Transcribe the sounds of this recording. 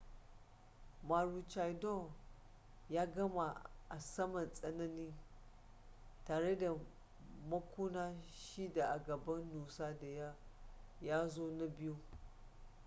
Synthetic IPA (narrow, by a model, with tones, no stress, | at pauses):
maː˨ɾu˨t͡ʃa˨jdo˦˨ | jaː˦ɡɐ˦ma˨ʔa˨sɐ˦mɐ˨nsʼɐ˦na˦ni˦ | taː˨ɾe˦da˨ | mɐ˦kʷuː˦naː˦ʃi˦da˨ʔa˨ɡɐ˨bɐ˦nːu˨sa˦da˨ja˦ja˦zo˦na˦bɪ˦ju˦